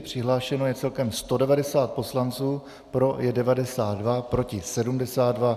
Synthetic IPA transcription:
pr̥ɪɦlaːʃɛno̞jɛt͡sɛlkɛmst̪o̞dɛvadɛsaːt̪̚po̞slant͡suː | pɾo̞jɛdɛvadɛsaːd̪dvapɾo̞cɪsɛdumdɛsaːt̪dva

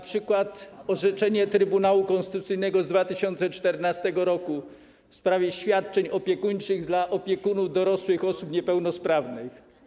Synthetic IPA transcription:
apʂɘkwat̪ɔʐɛt͡ʂɛɲɛt̪ɾɘbunawukɔ̃nsɘt̪ut̪sɘjnɛɡɔzd̪vat̪ɘɕɔnt̪sɛt͡ʂt̪ɛɾnast̪ɛɡɔɾɔku | fspɾavʲjɛɕfʲjat̪̚t͡ʂɛɲɔpʲjɛkuɲt͡ʂɘɣd̪laʔɔpʲjɛkunuvd̪ɔɾɔswɘxɔsupɲɛpɛwnɔspɾavnɘx

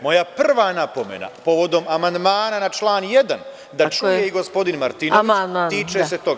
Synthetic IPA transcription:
mo̞japr̩ʋanapo̞me̞̰na̰po̞ʋo̞d̪o̞mamand̪maːnanat͡ʃlˠaːnje̞d̪an | d̪at͡ʃujeiɡospo̞d̪inmaɾt̪inoʋiaaiːt͡ʃeset̪o̞ɡa

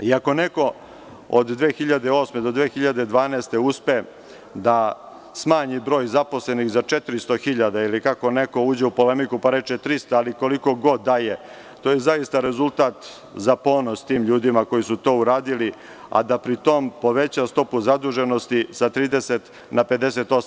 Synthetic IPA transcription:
iako̞ne̞ko̞ | o̰d̪d̪ʋeːxiʎad̪eo̞ːsmed̪od̪ʋeːxiʎad̪e̞d̪ʋaːneːst̪euspe | d̪a | smaːɲibɾo̞ːjzapo̞sle̞nixzat͡ʂet̪ɾist̪o̞xiʎad̪ailikako̞ne̞ko̞uːd͡ʑeupo̞le̞mikupaɾe̞t͡ʃet̪ɾist̪aːliko̞liko̞ɡo̞d̪ːaje | t̪oːjezaist̪aɾe̞zulˠt̪aːt̪ | zapo̞ːno̞st̪iːmʎuːd̪imako̞jisut̪o̞ːuɾaːd̪ili | a̰d̪apɾit̪o̞mpo̞ʋe̞t͡ɕast̪o̞puzad̪uʒe̞no̞st̪isat̪ɾiːd̪eset̪ | nape̞d̪e̞set̪o̞s

